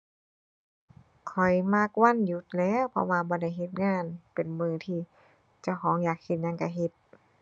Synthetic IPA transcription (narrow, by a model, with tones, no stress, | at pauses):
kʰɔ˨˩jmaː˧˥˨k̚wa˧˥˨nju˧˩t̪̚lɛː˧˥˨wpʰɔ̰˧waː˧bɔː˧˦da˧˩˨jɦe˧t̪̚ŋaː˧˥˨npe˨˩nmɯː˧˩t̪ʰiː˧˩ | t͡ɕa˧˩wkʰɔː˨˦ŋjaː˨˩k̚he˧t̪̚ɲa˧˥˨nka˧˩ɦe˧t̪̚